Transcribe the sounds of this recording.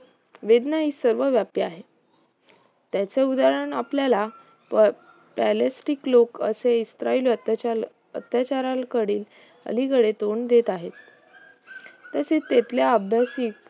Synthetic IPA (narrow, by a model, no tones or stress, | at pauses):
ʋed̪nəɦisəɾʋəʋjapjaɦe | t̪jat͡seud̪aɾəɳapljala | pælesʈiklokə̰seist̪ɾailə | ət̪jat͡ɕaɾalkəɽiːl | ə̰likəɽet̪oɳd̪et̪aɦet̪ | əset̪et̪ljaəbʱjasiːk